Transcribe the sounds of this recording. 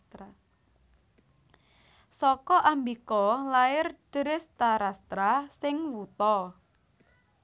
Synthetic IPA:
t̪ɾa | sɔkɔʔambikɔlaɪrd̥ɾɪst̪aɾast̪ɾasɪŋwut̪ɔ

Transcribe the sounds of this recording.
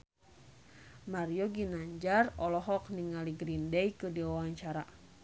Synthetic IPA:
marijɔɡinaɲd͡ʒarɔlɔɦɔk̚niŋaliɡɾindɛjkɨdiwawaɲt͡ʃaɾa

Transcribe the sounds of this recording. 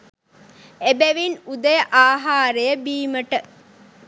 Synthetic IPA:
ebeʋinud̪əjəʔaːɦaːɾejəbiːməʈə

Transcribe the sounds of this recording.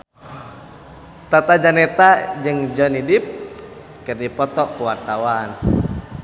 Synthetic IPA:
t̪at̪ad͡ʒanɛt̪ad͡ʒɨŋd͡ʒɔnidɪp̚ | kɨrdipɔt̪ɔkuwart̪awan

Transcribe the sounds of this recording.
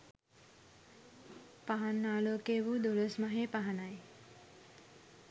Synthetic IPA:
paɦanːaːlokebud̪olosmaɦepaɦanaj

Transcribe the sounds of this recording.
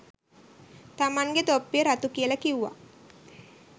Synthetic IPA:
t̪amaŋɡet̪opːijəɾat̪ukiəlakiwʋa̰

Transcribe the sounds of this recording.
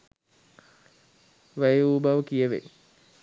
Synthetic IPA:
ʋəjeuːbaʋəkijəʋḛ

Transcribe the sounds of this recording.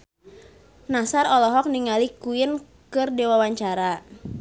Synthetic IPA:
nasaɾɔlɔɦɔk̚niŋalikuɪn | kɨrdewawaɲt͡ʃaɾa

